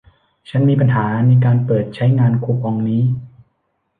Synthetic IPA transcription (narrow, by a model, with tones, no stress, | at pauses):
t͡ɕʰa˦˥nmiː˧p̬a˧nɦaː˩˦na˧jk̬aː˧npɤː˨˩t̪̚t͡ɕʰa˦˥jŋaː˧nkʰu˧˥˩p̚ːɔ˧ŋniː˦˥